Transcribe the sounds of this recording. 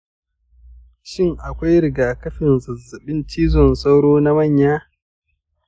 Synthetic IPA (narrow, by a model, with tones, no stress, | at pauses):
ʃɪ˦˨ŋʔa˨kʷa˦jɾɪ˨ɡaː˨kɐ˦ɸɪ˨nzɐ˨zːɐ˨ɓɪ˦nt͡ʃiː˦zɔ˨nsa˦wɽoː˦na˦mɐ˦˨ɲjaː˦